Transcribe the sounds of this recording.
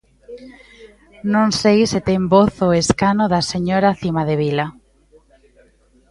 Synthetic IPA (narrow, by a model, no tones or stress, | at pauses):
nõnsejset̪ɛmboθoeskanoðaseɲoɾaθimaðeβ̞ila